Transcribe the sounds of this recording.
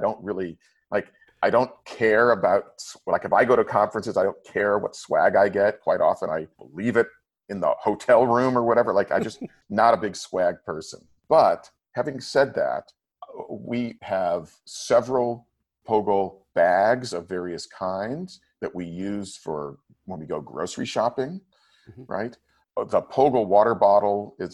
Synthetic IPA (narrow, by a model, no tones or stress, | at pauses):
aɪdõʊ̃nt̚ɹɪlˠi | lʔaɪk | ʔaɪɾõʊ̃nkʰɛɹɨbaʊt̚slaɪkɨfaɪɡoʊɾɨkʰɑ̃ɱfɹɨ̃nsɨzaɪɾõʊ̃nkʰɛɹwʌ̰tswæ̰ɡaɪɡɛt̚kʰw̥aɪɾʔɔ̰fə̃na̰ɪb̥əlivɨɾ | ɨ̃nðə̰hoʊtʰɛlˠɹʉ̃mə˞wʌɾɛvə˞laɪka̰ɪd͡ʒʌst | nəɾəbɪɡswæɡ̚pʰɜ˞sə̰̃n | b̥ʌt̚ | hævɪ̃ŋsɛd̪̚ðæ̰t̚ | wiəv̥sɛvɹl̩ˠ | pʰoʊɡl̩ˠb̥æɡzʌvɛɹiɨskʰãɪ̃ndz̥ | ðɨʔwijʉz̥fə̰˞ | wə̃nwiɡoʊɡɹo̰ʊsɹḭʃɑpɪ̃ŋ | ɹa̰ɪt̚ | ðəpʰoʊɡl̩ˠwɔɾə˞bɑɾl̩ˠɪz